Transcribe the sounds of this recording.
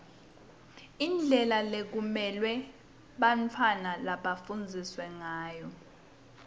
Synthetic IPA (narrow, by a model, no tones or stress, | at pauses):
ind͡ɮʱɛlalek̬umɛlwɛ | ɓant͡fʰanalaɓafund͡zʱiswɛŋaːjɔ